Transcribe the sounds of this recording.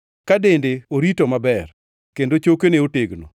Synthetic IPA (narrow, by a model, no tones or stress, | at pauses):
kadendeoɾitomabɛr | kendot͡ʃokeneoteɡno̰